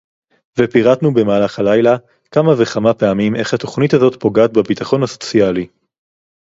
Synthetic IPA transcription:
vepiʁat̪nube̞maːlaχhalajla | kamaveχamapeamimʔe̞χhat̪o̞χnithazo̞t̪po̞ɡaːt̪̚bebit̪aχo̞nhaso̞̥t͡siali

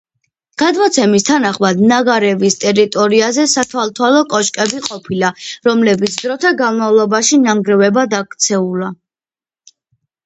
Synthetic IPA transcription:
ɡ̥ad̪mɔt̪sʰɛmist̪ʰanaχmad̪naɡaɾɛvist̪ʼɛɾit̪ʼɔɾiazɛsat̪ʰwalˠt̪ʰwalɔkʼɔʃkʼɛbiqʼɔpʰilaɾɔmlɛbit̪sʰd̪ɾɔt̪ʰaɡanmavlˠɔbaʃinaŋɡɾɛvɛbad̪akʰt̪sʰɛula

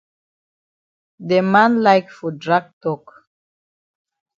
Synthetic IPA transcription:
demãnlajkfɔdɹaɡ̚tɔk

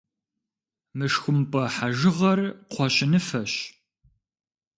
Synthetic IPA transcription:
mɨʂxʷʊmpʼɐħaʒɪʁɐrqʷʰɔɕʼɪnɨfɐɕ

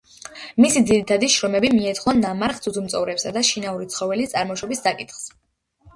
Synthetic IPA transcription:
misid̪ziɾit̪ʰad̪iʃɾɔmɛbimiɛt̪ʰχɔnːamaɾχd̪sʰud̪ʰumt̪sʼɔvɾɛpsad̪aʃinauɾit̪sʰχɔvɛlit̪sʼaɾmɔʃɔbisːakʼit̪ʰχs

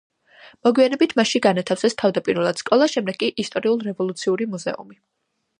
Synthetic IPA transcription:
mɔɡwianɛbit̪ʰmaʃiɡanat̪ʰafsɛst̪ʰavd̪apʼiɾvɛlˠad̪̥skʼɔlˠaʃɛmd̪ɛɡ̥̚kʼiʔist̪ʼɔɾiulˠɾɛvɔlˠut̪sʰiuɾimuzɛ̰ṵmi

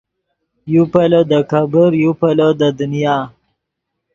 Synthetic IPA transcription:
jupalod̪əkabəɾjupalod̪əd̪ʊnijɑː

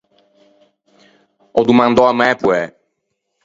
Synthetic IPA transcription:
ɔd̪umãnd̪ɔamɛpwɛ

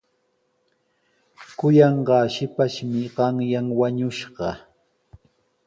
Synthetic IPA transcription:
kʊjɑɴɢɑːʃɪpaʃmɪɢɑŋjaŋwaɲʊʃɢɑ

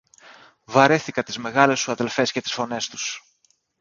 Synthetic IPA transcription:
vɐɾeθikɐt̪izme̞ɣɐle̞suɐðe̞lfe̞sce̞t̪i̥sfo̞ne̞st̪u̥s

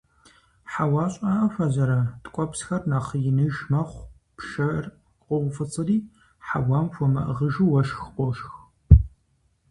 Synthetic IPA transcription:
ħawɑːɕʼaːʔɐfɐzɐɾɐtʼkʷʼɔpsxɐrnaːχjɪnɨʒmɐχʷ | pʃɐr | qʷʼɔʁʷʊfɨt͡sʼɨriː | ħawaːmfʷɔmɐ̰ʔəʁəʒuwɐʃxqʷʼɔʃx

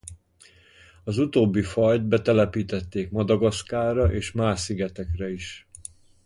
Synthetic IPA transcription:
ɒzut̪oːbːifɒjd̪̚bɛt̪ɛlɛpiːt̪ɛt̪ːeːkmɒd̪ɒɡɒskaːɾɒʔeːʃmaːʃsiɡɛt̪ɛkrɛiʃ

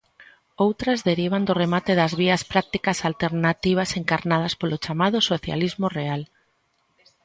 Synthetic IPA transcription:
owt̪ɾazðeɾiβ̞and̪ʊremat̪eðɐzβ̞iɐspɾak̚t̪ikasalt̪eɾnat̪iβ̞aseŋkaɾnað̞ɐspolot͡ʃamað̞ʊsoθja̰lizmoreal

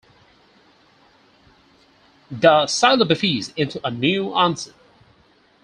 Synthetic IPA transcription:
ðəsaɪlˠəbɨfizɪ̃ntʰuʔənjʉæ̃nsə

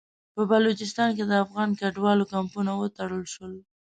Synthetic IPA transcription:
pəbalot͡ʃɪs̬t̪ɑnked̪əafɣɑnkaɖwɑlokampunawət̪aɽəlʃwəl

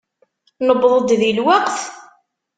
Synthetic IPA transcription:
nəbðˤəd̪ðilwaqθ

